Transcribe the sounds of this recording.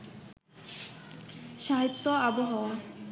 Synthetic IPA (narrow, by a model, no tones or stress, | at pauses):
ʃaɦit̪ːoaboɦɔa